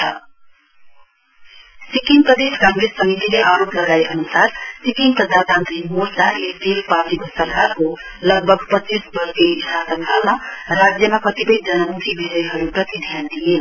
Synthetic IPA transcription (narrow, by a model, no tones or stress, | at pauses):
sikiŋɡpɾəd̪eskãŋɡɾesːəmit̪ileʔaɾopləɡaeʔənusaɾsikiŋɡ̚pɾəd̪ʱat̪ãnt̪ɾimoɾd̪aʔest̪elpatikosəɾkaɾko | ləɡ̚bʱəɡ̚pət͡ʃisbəɾketasənt̪ʰəlnaɾad͡ʒjəmakət̪ipəĩd͡ʒənəmut̪ʰibʱeɾəjɦʌɾupɾʌt̪id̪ʱjand̪ijel